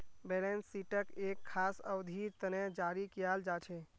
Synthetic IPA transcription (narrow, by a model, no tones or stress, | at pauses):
belensːiʈəkekʰːasə̰wd̪ʱiɾt̪əned͡ʒaɾikijald͡ʒat͡ʃʰe